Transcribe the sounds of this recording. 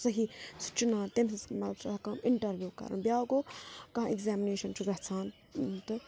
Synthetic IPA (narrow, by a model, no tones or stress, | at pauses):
sɐɦisu̥t͡ʃunãːnt̪emssmɐ̰lt͡ʃʰɐkɐmiɳʈɐɾʋjuːkɐ̰ɾɨ̰nbjaːɡoːkɐɦãiɡzæːmineːʃɐnt͡ʃʰuɡɐɦt͡sʰaːn | t̪ɨ